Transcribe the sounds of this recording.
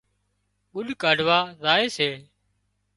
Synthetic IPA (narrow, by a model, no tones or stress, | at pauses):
ʊɗkaːɖʱʋaːzaːeːseː